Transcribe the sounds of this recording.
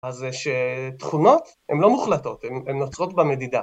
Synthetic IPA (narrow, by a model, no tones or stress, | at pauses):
azeʃet̪χuno̞t | emlo̞muχlato̞t̪ememnot͡sʁo̞tbame̞d̪id̪a